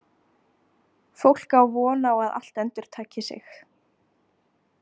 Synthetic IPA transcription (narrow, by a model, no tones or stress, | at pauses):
fowl̥kawvɔːnaɔɣaða̰l̥t̪ɛnt̪ʏɾ̥t̪ʰaːcɪsɪ̰x